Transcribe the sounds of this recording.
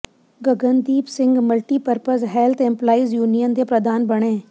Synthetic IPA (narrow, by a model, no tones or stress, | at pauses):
ɡəɡənd̪iːpsɪ̃ŋɡməlʈiːpəɾpəsɦɛːlt̪ʰɛ̃mplaːizjuːnijənd̪epɾəd̪ʱaːnbɐɽ̃ẽː